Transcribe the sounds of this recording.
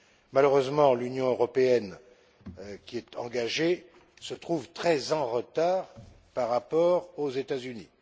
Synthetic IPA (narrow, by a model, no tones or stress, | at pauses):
maløʁøzmɑ̃lynjɔ̃øʁɔpeɛn | kʲiɛt̪ʰɑ̰̃ɡaʒe | sət̪χuvt̪χɛzɑ̃ʁət̪aːʁ | paʁːapɔʁozet̪azynḭ